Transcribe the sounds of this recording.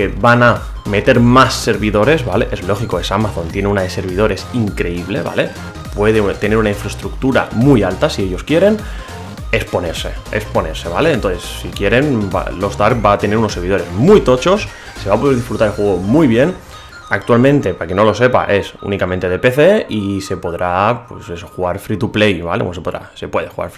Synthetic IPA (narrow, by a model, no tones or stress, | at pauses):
ebana | me̞t̪e̞ɾmasːe̞ɾβiðo̞ɾe̞zβale̞̰ʔe̞zlo̞xiko̞esamaθo̞nt̪jeneunaðe̞se̞ɾβ̞ið̞o̞ɾe̞siŋkɾe̞iβ̞le̞̰βa̰le̞ | pwe̞ðet̪ene̞ɾunaiɱfɾest̪ɾuk̚t̪uɾa̰mujalt̪asieʎo̞skje̞ɾe̞n | e̞spo̞ne̞ɾse̞espo̞ne̞ɾse̞βale̞eːnt̪nθessikje̞ɾe̞nba̰lo̞zd̪aɾk̚bat̪e̞ne̞ɾunosːe̞ɾβ̞iðo̞ɾe̞zmujt̪o̞t͡ʃo̞s | se̞βapo̞ð̞eɾðisfɾut̪aɾelxwe̞ɣ̞omujβje̞n | ak̚t̪ualmẽnt̪e̞pakeno̞lo̞se̞pa̰ʔe̞sṵnikamẽ̞nt̪e̞ðepe̞θe̞ise̞po̞ðɾapwe̞se̞so̞xuɣaɾfɾit̪uplejβa̰lew̰ns̬e̞po̞ðɾa̰se̞pwe̞ð̞exuɣa̰ɾf